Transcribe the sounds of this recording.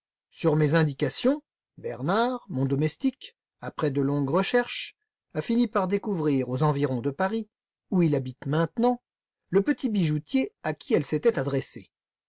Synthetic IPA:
syʁmezɛ̃d̪ikasjɔ̃ | bɛʁnaʁmɔ̃d̪ɔmɛst̪ik | apχɛd̪əlɔ̃ɡʁəʃɛʁʃ | afinipaʁd̪ekuvʁiʁozɑ̃viʁɔ̃d̪əpaʁi | uilabit̪mɛ̃t̪nɑ̃ | ləpət̪ibiʒut̪jeakʲʰiɛlset̪ɛt̪ad̪ʁɛse

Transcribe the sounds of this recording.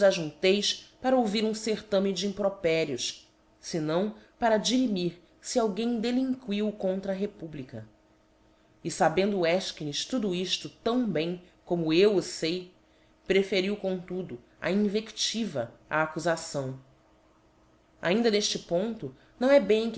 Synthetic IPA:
zaʒũt̪ejspaɾɐowviɾũseɾt̪ɐ̃mid͡ʒɪĩpɾopɛɾjʊʃ | sɪnɐ̃w̃paɾɐd͡ʒiɾimiɾ | siawɡẽj̃d̪elĩŋkwiwkõnt̪ɾɐɦepublikɐ | ɪsabẽnd̪ʊːɛʃkiniʃt̪ud̪ʊiʃt̪ʊt̪ɐ̃w̃bẽj̃ | komʊewʊsej | pɾefeɾiwkõt̪ud̪ʊ | ɐ̰ĩŋvekt͡ʃivɐɐ̰ːkuzasɐ̃w̃ | a̰ĩnd̪ɐneʃt͡ʃɪpõnt̪ʊ | nɐ̃w̃ɛbẽj̃k

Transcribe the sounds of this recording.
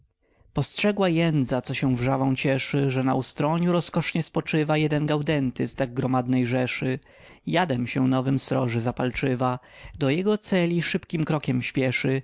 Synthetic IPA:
pɔstʂɛɡwajɛnd̪zat̪sɔɕɛ̃vʐavɔ̃w̃t͡ɕɛʂɘʐɛna̰ust̪ɾɔɲuɾɔskɔʂɲɛspɔt͡ʂɘvajɛd̪ɛnɡawd̪ɛnt̪ɘst̪aɡ̚ɡɾɔmad̪nɛjʐɛʂɘ | jad̪ɛmɕɛnɔvɘmst̪ɾɔʐɛzapalt͡ʂɘva | d̪ɔjɛɡɔt̪sɛlʲiʂɘpkʲimkɾɔkʲɛmɕpʲjɛʂɘ

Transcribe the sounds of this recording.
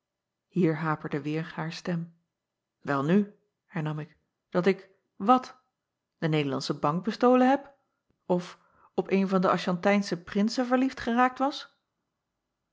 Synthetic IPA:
hiːɹɦaːpəɹdəʋɪːɹhaːɹstɛm | ʋɛlˠny | hɛɹnɑmɪk | d̥ɑtɪk | ʋɑt | d̥ənejdəlɑ̰nsəbɑŋɡ̚bəstowlənɦɛp | ɔf | ɔpejnvɑndəɑʃɑntɛjnsəprɪnsəvəɹliftχəraːk̚tʋɑs

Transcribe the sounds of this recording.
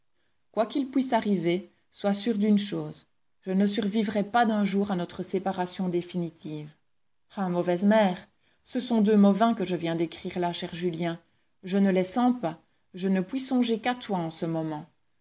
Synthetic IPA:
kwakilpɥisaʁive | swasyːʁd̪ynʃoːz | ʒənəsyʁvivʁɛpad̪ɛ̃ʒuːʁanɔt̪χəsepaʁasjɔ̃d̪efinit̪ʰiːv | ɛ̃mɔvɛzmɛːʁ | səsɔ̃d̪ømɔvɛ̃kəʒəvjɛ̃d̪ekχiːʁlaʃɛʁʒyljɛ̃ | ʒənəlɛsɑ̃pa | ʒənəpɥisɔ̃ʒekat̪waɑ̃səmɔmɑ̃

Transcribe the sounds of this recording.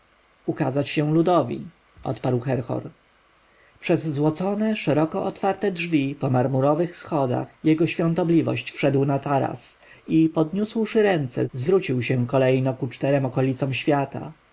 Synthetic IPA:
ukazat͡ɕɕɛ̃lud̪ɔvʲḭ | ɔ̰t̪paɾwxɛɾxɔ̰ɾ | pʂɛzːwɔt̪sɔnɛʂɛɾɔkɔʔɔt̪faɾt̪ɛdʐvʲipɔmaɾmuɾɔvɘxsxɔd̪a̰xjɛɡɔɕfʲjɔ̃nt̪ɔblʲivɔ̰ɕt͡ɕfʂɛd̪wnat̪aɾa̰s | ipɔd̪ɲuswʂɘɾɛnt̪sɛ̰zvɾut͡ɕiwɕɛ̃kɔlɛjnɔkut͡ʂt̪ɛɾɛmɔkɔlʲit̪sɔm̃ɕfʲjat̪a̰

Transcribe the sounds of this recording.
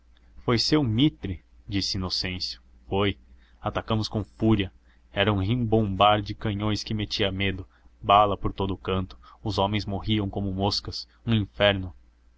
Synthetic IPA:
fojsewmit̪ɾɪ | d͡ʒisɪinosẽsjʊ̥ | foj | at̪akɐ̃mʊskõfuɾiɐ | ɛɾɐũɦĩbõmbaɾd͡ʒɪkɐ̃ɲõj̃skɪmet͡ʃiɐmed̪ʊ | balɐpoɾt̪od̪ʊːkɐ̃nt̪ʊ̥ʊzõmẽj̃zmoɦiɐ̃w̃kõmʊmoskɐs | ũĩfɛɾnʊ

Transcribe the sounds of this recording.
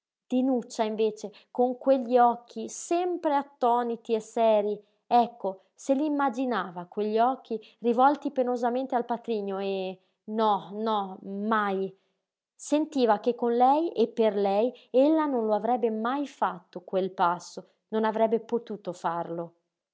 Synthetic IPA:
d̪̥inut͡ʃːaiɱveːt͡ʃe | koŋkweʎːiɔkʰːisɛmpɾeat̪ːɔːnit̪iesɛːɾi | ɛkːo | seliimːad͡ʒinaːvakweʎːiɔk̟ːirivɔlt̪ipenozament̪ealpat̪ɾiːɲoe | nɔnɔmaj | sent̪iːvakekːonlɛjepːerlɛjelːanonloavɾɛbːemajfat̪ːokwelpasːo | nonavɾɛbːepot̪uːt̪ofarlo

